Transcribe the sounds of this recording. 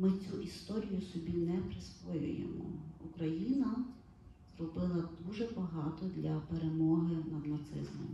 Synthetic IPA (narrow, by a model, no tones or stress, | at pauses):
mɪt͡sʲuʔist̪ɔɾʲijʊsɔbʲinɛpɾɪsʋɔjʊ̰jḛmɔ̰ukɾɐjinɐ | z̥rɔbɪlˠɐd̪uʒɛbɐɦɑt̪ɔd̪lʲɐpeɾemɔɦɪnɐd̪nɐt̪sɪ̰zmɔ̰m